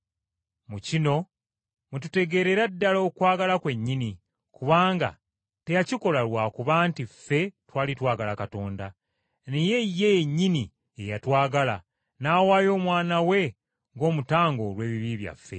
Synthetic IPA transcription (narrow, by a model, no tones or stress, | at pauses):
mucino̞ | mutute̞ɡe̞ɾe̞ɾadːaloːkwaːɡalakwe̞ɲːini | kuβaːŋɡa̰ | tejaciko̞lalwaːkuβaːntifːe̞twaːlitwaːɡalakato̞ːnda | neje̞jːe̞jeɲːini | ejatwaːɡala | naːwaːjo̞ːmwaːnawe̞ | ŋɡo̞ːmutaːŋɡo̞lwe̞ːβiβiβja̰fːe̞̰